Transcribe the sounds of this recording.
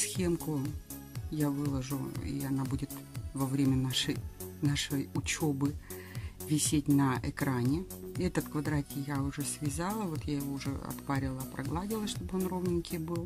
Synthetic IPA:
sxʲemkʊ | javɨlˠəʐʊḭɐnabudʲɪt̪vɐvɾʲemʲənaʂɨjnaʂəjʊt͡ɕo̞bɨ | vʲɪsʲetʲnɐʔɪkɾanʲɪ | ɛt̪ət̪kvɐd̪ɾat̪ʲɪjaʊʐɛsvʲɪzalˠəvo̞t̪jajɪvo̞ʊʐɛ̰ɐ̰t̪paɾʲɪlˠəpɾʔɐ̰ɡlˠadʲɪlˠəsʲʂt̪o̞bɨonrovnʲɪnʲkʲɪjbɨlˠ

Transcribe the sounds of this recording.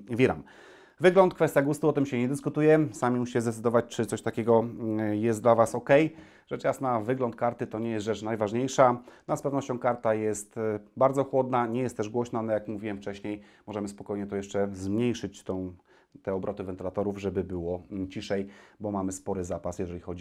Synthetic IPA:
vʲiɾa̰m | vɘɡlɔnt̪̚kfɛst̪jaɡust̪uɔt̪ɘmɕɛɲɛd̪ɘskut̪ujɛsamʲimuɕi̥t͡ɕɛzd̪ɛt̪sɘd̪ɔvat͡ɕt͡ʂɘt̪sɔɕt̪akʲɛɡɔjɛst̪d̪lavasɔkɛj | ʐɛt͡ʂjasnavɘɡlɔnt̪̚kaɾt̪ɘt̪ɔɲɛjɛsʐɛt͡ʂnajvaʐɲejʂanaspɛvnɔɕt͡ɕɔ̃w̃kaɾt̪ajɛst̪baɾd̪zɔxwɔd̪naɲɛjɛst̪ːɛʐɡwɔɕnalɛjakmuvʲiwɛmft͡ʂɛɕɲejmɔʐɛmɘspɔkɔjɲɛt̪ɔjɛʂt͡ʂɛzmɲejʂɘt͡ɕt̪ɔ̃w̃ | t̪ɛɔbɾʔɔt̪ɘvɛnt̪ɘlat̪ɔɾuvʐɛbɘbɘwɔt͡ɕiʂɛjbɔmamɘspɔɾɘzapasjɛʐɛlʲixɔd͡ʑi

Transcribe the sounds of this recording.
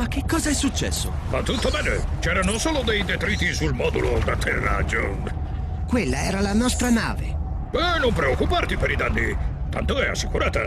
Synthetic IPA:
mak̟ːekːɔːzaɛsːut͡ʃːɛ̰sːo̰ | mat̪ːut̪ːomɛnːot͡ʃɛːɾanosoːlod̪ejd̪et̪ɾiːt̪isulmɔːd̪ulod̪at̪ʰːerːa̰d͡ʒːo̰ | kwelːaɛːɾalanɔst̪ɾana̰ːvḛ | bɛnompɾeokːupart̪ipeɾid̪anːḭ | t̪a̰nt̪oɛa̰sːikuɾaːt̪a̰

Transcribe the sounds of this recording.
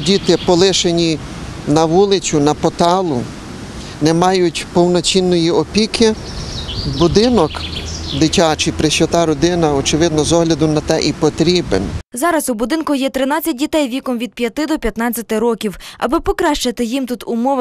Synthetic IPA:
dʲit̪ɪpɔlˠɪʃenʲi | nɐʋulˠɪt͡sʲʊnɐpɔt̪ɑlˠʊ | nɛmɑjʊtʲpɔwnɔt͡ʃʲinːɔjiɔpʲikɪ | bʊd̪ɪnɔkd̪ɪtʲat͡ʃɪpɾɪʃɔt̪ɑɾɔd̪ɪnɐɔt͡ʃɪʋɪd̪̚nɔzɔɦlʲɐd̪ʊnɐt̪ɛʔipɔt̪ɾʲibḛnzɑɾɐzʊbʊd̪ɪnkʊjɛt̪ɾɪnɑt͡sʲɐt̚ʲdʲit̪ɛjʋʲikɔmʋʲid̪̚pʲjɐt̪ɪd̪ɔpʲjɐt̪nɑt͡sʲːɐt̪ɪɾɔkʲiwɐ̰bɪpɔkɾɑʃt͡ʃɐt̪ɪjimt̪ut̪ʊmɔʋ

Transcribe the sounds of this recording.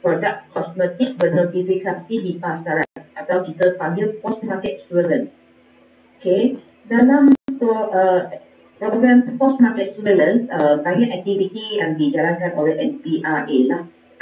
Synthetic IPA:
pɾɔdak̚kʰɔsmɛt̪ik̚bənətifiksap̚sidipast̪aɾanʔat̪awkit̪əpaɡilpɔstmakɛt̚suələ̃ns | oke | dalãmpɔʔə | pɔɡɹɛ̃mpɔst̚makɛt̪̚sudələ̃nsəkajə̃nɛk̚t̪ivit̪iɛ̃ndid͡ʒalãnkãnʔɔləʔɛ̃npiʔaʔelah

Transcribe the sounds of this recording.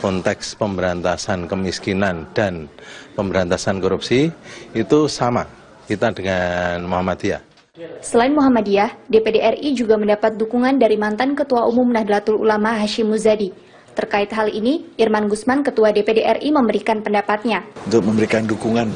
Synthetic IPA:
kɔnt̪ɛkspəmbəɾant̪asankəmiskinand̥anpəmbəɾant̪asankɔɾupsiːt̪usama | kit̪adəŋanmuɦamad̪ia̰h | səlaɪnmuɦamadiahdepedeʔɛrid͡ʒuɡaməndapat̪̚dukuŋandaɾimant̪ankət̪uaʔumumnahdəlat̪ulṵlamaɦaʃɪmːuzadi | t̪ərkaɪt̪ɦaliniʔirmanɡusmankət̪uadepedeʔɛrʔiməmbəɾikanpəndapat̪̚ɲaunt̪ʊk̚məmbəɾikandukuŋan

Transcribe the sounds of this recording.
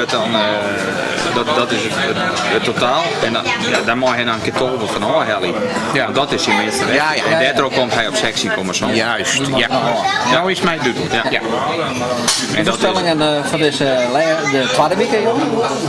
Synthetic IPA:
tɔn | dɔdɔtɪsətotaːlˠɛnja̰dɔmɔjɦɛnɔnənkɪtʰoːbəlˠfɔnɔːɦɛlˠiɔndɔtɪsimɪstəlɛɛdɛtərokomtɦɛjopsɛksikoməsosjadɔɪsmɛjdytəl̩ˠjaja | ɛndɔtsɛlɪŋənfɔdɪsəlɛdətʋadəlikəjonə

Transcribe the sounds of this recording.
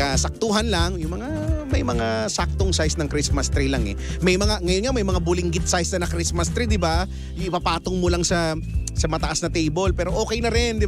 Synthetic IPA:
ɐsɐk̚t̪uːɦɐnlaŋjʊŋmɐŋa | mɐjmɐŋasak̚t̪oŋsajsnɐŋkɾismɐst̪ɾilaŋɛ̰mɐjmɐŋaŋɐjonŋamɐjmɐŋabʊlɪŋɡɪt̪̚sajsnɐnɐkɾismɐst̪ɾid̪ɪba | jɪpapaːt̪oŋmolaŋsɐ | sɐmɐt̪ɐʔasnɐt̪ejbolpɛːɾo̞ʔo̞ːkɛjnɐɾɪnd̪ɪ

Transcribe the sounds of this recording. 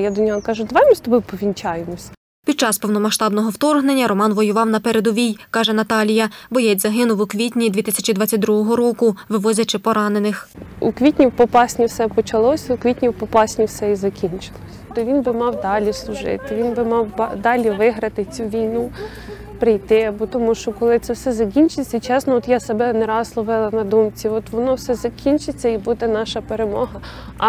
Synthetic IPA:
jad̪ɔnʲɔɦɔkɑʒʊd̪ʋɑmʲɪst̪ɔbɪpɔʋʲinʲt͡ʃɑjemɔsʲɐ | pʲid̪̚t͡ʃɑspɔwnɔmɐʃt̪ɑbnɔɦɔwt̪ɔrɦne̞nʲːɐɾɔmɑnʋɔjʊʋɑwnɐpɛɾe̞d̪ɔʋʲijkɑʒɛnɐt̪ɑlʲijɐbɔjɛt͡sʲzɐɦɪnʊwʊkʋʲitʲnʲid̪ʲʋʲit̪ɪsʲɐt͡ʃid̪ʋɑt͡sʲːɐt̚ʲd̪ɾuɦɔɦɔɾɔkʊʋɪʋɔzʲɐt͡ʃɪpɔɾɑne̞nɪxṵkʋʲitʲnʲiwpɔpɑsʲnʲiwsɛpɔt͡ʃɐlˠɔsʲɐukʋʲitʲnʲiwpɔpɑsʲnʲiwsɛizɐkʲinʲt͡ʃɪ̥lˠɔsʲɐ̥t̪ɔʋʲinbɪmɑwd̪ɑlʲislˠʊʒɪ̰t̪ɪʋʲinbɪmɑw̰d̪ɑlʲiʋɪɦɾɐt̪ɪt͡sʲuʋʲijnu | pɾɪjt̪ɪɐbɔt̪ɔmuʃt͡ʃɔkɔlˠɪt̪sɛwsɛzɐkʲinʲt͡ʃɪt͡sʲːɐt͡ʃɛsnɔɔt̪jasebɛneɾɑslˠɔʋɪlˠɐnɐd̪umt͡sʲiɔt̪ʋɔnɔwsɛzɐkʲinʲt͡ʃɪt͡sʲːɐibud̪ɛnɑʃɐpeɾemɔ̰ɦɐ

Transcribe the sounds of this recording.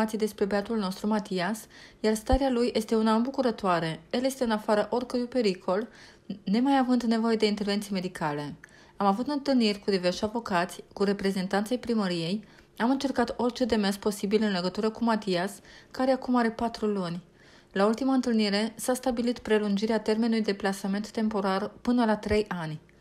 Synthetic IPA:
at̪sijd̪e̞spɾe̞beat̪ulno̞st̪ɾumat̪ias | jarst̪aɾealujʔe̞st̪e̞unambukuɾət̪oaɾe̞elje̞st̪eɨnafaɾəʔo̞rʲkəɾjujpe̞ɾikʰo̞l | ne̞majavɨnd̪ne̞vo̞je̞d̪e̞int̪e̞rve̞nt̪sijme̞d̪ikʰale̞ | amavut̪ɨnt̪ɨlnirʲkud̪iveʃavo̞kat̪sʲkuɾe̞pɾe̞ze̞nt̪ant̪sejpɾiməɾije̞j | amɨnt͡ʃe̞rkat̪o̞rʲt͡ʃe̞d̪e̞me̞nspo̞sibilɨnle̞ɡət̪uɾəkumat̪iaskaɾe̞akumaɾe̞pat̪ɾulunʲ | lault̪imaɨnt̪ɨlniɾe̞sast̪abilit̪pɾe̞lund͡ʒiɾeat̪e̞rme̞nulujd̪e̞plasame̞nt̪ːe̞mpo̞ɾarpɨnəlat̪ɾe̞jʔanʲ

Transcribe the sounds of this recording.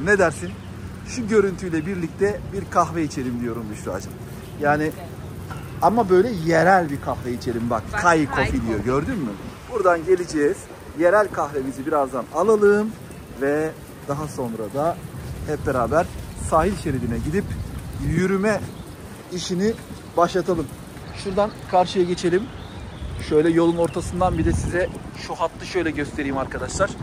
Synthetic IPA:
ne̞d̪æɾsin | ʃuɟø̞ɾynt̪ʰyjlʲɛbiɾlʲic̚t̪ʰɛbiɾkʰaxvɛit͡ʃʰe̞ɾimd̪ijo̞ɾumb̪uʃɾua̰d͡ʒam | jaːni | amabø̞jlʲɛjeɾælʲbikʰaxveit͡ʃʰe̞ɾʲimbakkʰːajkʰo̞fid̪ijoɟø̞ɾd̪ymmyb̥uɾd̪anɟe̞lʲid͡ʒɛːz̥ | jeɾælʲkʰaxve̞mizibiɾazd̪analˠalˠɯːm | vɛ | d̪aɦaso̞nɾad̪ahɛp̚beɾaːbæɾsaːɦilʲʃeɾidinɛɟid̪ipjyɾymɛ | iʃini | baʃlˠat̪ʰalˠɯm | ʃuɾd̪ankʰaɾʃɯjaɟe̞t͡ʃʰe̞lʲim | ʃøjlʲɛjo̞lˠuno̞ɾt̪ʰasɯnd̪anbid̪ɛsizɛʃuɦat̪lˠɯʃø̞jlʲɛɟøst̪ʰe̞ɾiːmaɾkʰad̪aʃlˠaɾ̥

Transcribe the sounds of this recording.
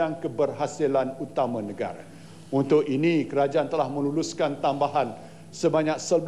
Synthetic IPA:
aŋkəbərɦasilanut̪amãnəɡa̰ɾa̰ | unt̪ʊk̚inĩkəɾad͡ʒaant̪əlahmə̃luluskant̪ambaɦan | səbaɲãk̚səb

